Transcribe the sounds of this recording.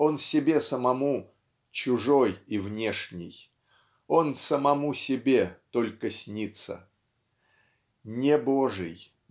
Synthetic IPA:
o̞nsʲɪbʲe̞səmɐmu | t͡ɕʊʐo̞jivnʲe̞ʂnʲɪ̰j | o̞nsəmɐmusʲɪbʲe̞t̪o̞lʲkəsʲnʲit̪sə̰ | nʲeboʐɨ̰j

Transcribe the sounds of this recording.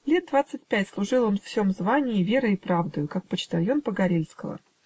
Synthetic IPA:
lʲe̞t̪̚d̪vat̪sɨt̚ʲpʲætʲslˠʊʐɨlˠonffsʲo̞mzvanʲɪɪvʲe̞ɾəɪpɾavd̪ʊjʊkak̚pət͡ɕt̪ɐlʲjompəɡɐɾʲelʲskəvə̰

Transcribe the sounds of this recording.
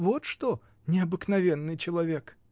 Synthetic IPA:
vɔt̪ʂt̪ɔ | nʲɪɐbɨknɐvʲɛnːɨjt͡ɕɪlˠɐvʲek

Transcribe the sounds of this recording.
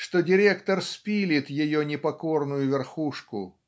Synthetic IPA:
ʂt̪odʲɪɾʲekt̪ərspʲilʲɪt̪jɪjonʲɪpɐko̞rnʊjʊvʲɪrxuʂkʊ

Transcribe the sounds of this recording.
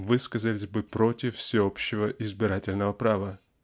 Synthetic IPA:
vɨskəzəlʲɪsʲbɨpɾo̞tʲɪffsʲɪo̞pɕːɪvəʔɪzbʲɪɾatʲɪlʲnəvəpɾavə

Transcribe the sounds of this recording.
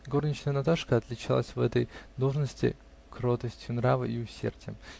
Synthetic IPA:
ɡo̞rnʲɪt͡ɕnəjənɐt̪aʂkəɐt̪lʲɪt͡ɕalˠəsʲvɛt̪əjd̪o̞lˠʐnəsʲtʲɪ̰ | kɾo̞t̪əsʲtʲjʊnɾavɨiʊsʲḛrdʲɪjə̰m

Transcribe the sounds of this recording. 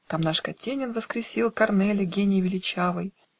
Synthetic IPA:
t̪amnaʂkɐtʲenʲɪnvəskɾʲɪsʲilˠkɐrnɛlʲəɡʲenʲɪjvʲɪlʲɪt͡ɕavɨj

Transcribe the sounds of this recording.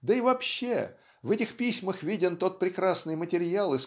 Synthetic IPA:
d̪əɪvɐpɕːe | vɛtʲɪxpʲisʲməxvʲidʲɪnt̪o̞t̪̚pɾʲɪkɾasnɨjmətʲɪɾʲalˠɨs

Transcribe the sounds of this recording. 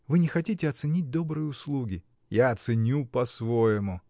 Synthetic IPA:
vɨnʲɪxɐtʲitʲɪɐt̪sɨnʲit̚ʲd̪o̞bɾɨjəʊslˠuɡʲɪ | jaɐt̪sɨnʲupɐsvojɪmʊ

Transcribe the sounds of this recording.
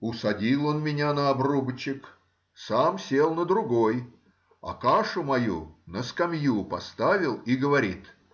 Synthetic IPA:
ʊsɐdʲilˠo̞nmʲɪnʲanəɐbrubət͡ɕɪk | samsʲelˠnəd̪ɾʊɡoj | ɐ̰kaʂʊmɐjṵnəskɐmjupɐst̪avʲɪlˠiɡəvɐɾʲit̪

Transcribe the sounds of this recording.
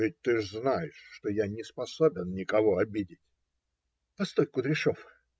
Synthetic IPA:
vʲɪt̚ʲt̪ɨznajɪʂːt̪ojanʲɪspɐsobʲɪnnʲɪkɐvoɐbʲidʲɪtʲ | pɐst̪ojkʊd̪ɾʲɪʂof

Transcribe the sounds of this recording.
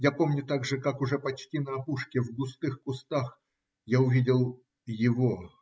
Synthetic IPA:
japomnʲʊt̪aɡʐɨkakʊʐɛpɐt͡ɕtʲinəɐpuʂkʲɪvɡʊst̪ɨxkʊst̪ax | jaʊvʲidʲɪlˠ | jɪvo

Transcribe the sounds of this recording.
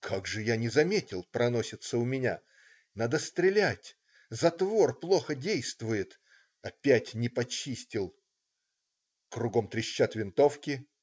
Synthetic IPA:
kʰaɡʐɨjanʲɪzɐmʲetʲɪlˠpɾɐno̞sʲɪt̪səʊmʲɪnʲa̰ | nad̪əst̪ɾʲɪlʲætʲ | zɐt̪vo̞rplˠo̞xədʲejst̪vʊjɪt̪ | ɐpʲætʲnʲɪpɐt͡ɕisʲtʲɪlˠ | kɾʊɡo̞mt̪ɾʲɪɕːat̪vʲɪnt̪o̞fkʲɪ

